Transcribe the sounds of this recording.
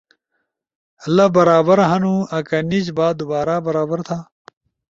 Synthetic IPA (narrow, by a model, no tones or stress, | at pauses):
lɐbɐɾaːbɐɾɦɐnuːɐkɐnid͡ʑbaːd̪ubaːɾaːbɐɾaːbɐɾt̪ʰaː